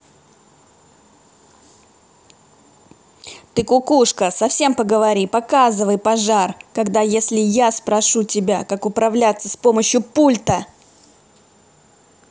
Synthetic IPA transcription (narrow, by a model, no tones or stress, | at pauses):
t̪ɨkʊkuʂkəsɐfsʲe̞mpəɡəvɐɾʲipɐkazɨvəjpɐʐarkɐɡd̪ajesʲlʲɪjaspɾɐʂutʲɪbʲakakʊpɾɐvlʲat̪səspo̞məɕjʊpulʲt̪ə